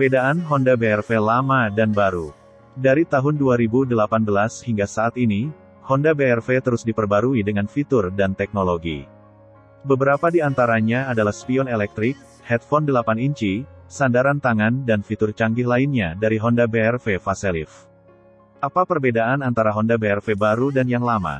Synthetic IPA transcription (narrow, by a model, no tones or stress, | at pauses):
ərbedaʔanɦɔndabeɛrfelamadanbaɾu | daɾit̪aɦʊnduaɾibudəlapanbəlashiŋɡasaːt̪ini | hɔndabeɛrfet̪əɾʊsdipərbaɾuidəŋanfit̪ʊrdant̪ɛk̚noloɡḭ | bəbəɾapadiant̪aɾaɲaːdalahspiɔnelɛk̚t̪ɾɪk̚ | hɛt̪̚fɔndəlapaniɲt͡ʃisandaɾant̪aŋandanfit̪ʊrt͡ʃaŋɡɪhlainɲadaɾiɦɔndabeɛrfefasɛlḭf | ʔapapərbedaʔanant̪aɾaɦɔndabeɛrfebaɾudanjaŋlama̰